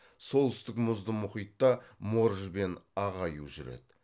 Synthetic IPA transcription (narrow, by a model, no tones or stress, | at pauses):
so̞lˠt̪ɪst̪ɪkmʊzd̪əmʊχijt̪ːɑmo̞ɾʒbe̞nɑʁɑjuʒʏɾḛd̪̥ɪ